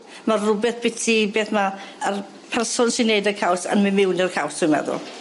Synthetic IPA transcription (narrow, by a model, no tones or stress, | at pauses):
marrʊbɛθb̥ɪtʰibeːθmaər | pʰɛrsɔnsinejdəkʰawsə̰nmɨmɪwnərkʰawsʊjmɛ̰ðʊ̰lˠ